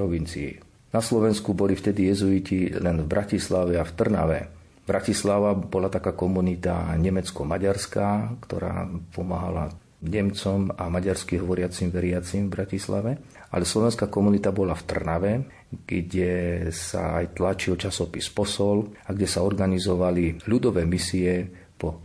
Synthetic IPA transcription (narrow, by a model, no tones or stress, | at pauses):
ɾɔʋint͡sḭḭ | naslɔʋɛnskubɔlift̪ɛd̪ijɛzuicilɛnvbɾʔacislaʋɛaft̪r̩na̰ʋɛ̰ | bɾacislaʋabɔlat̪akaːkɔmunit̪a̰ɲɛmɛt͡skɔmaɟaɾskaːkt̪ɔ̰ɾa̰ːpʰɔmaɦa̰la̰ | ɲɛmt͡sɔmamaɟaɾskiɦɔʋɔɾɪat͡simʋɛɾɪat͡simvbɾacislaʋɛ | ʔa̰lɛslɔʋɛnskaːkɔmunit̪abɔlaft̪r̩naʋɛ | ɡ̥ɟɛsa̰ajt̪lat͡ʃilt͡ʃasɔpispɔsɔlaɡɟɛsaɔɾɡanizɔʋaliʎud̪ɔʋɛːmisiɛ | pɔ